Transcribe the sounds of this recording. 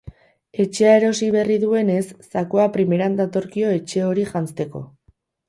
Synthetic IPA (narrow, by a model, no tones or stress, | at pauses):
e̞t͡ʃe̞ae̞ɾo̞siβe̞riðue̞ne̞sːakoapɾime̞ɾand̪at̪o̞ɾkio̞e̞t͡ʃe̞o̞ɾiʝant͡st̪e̞ko̞̰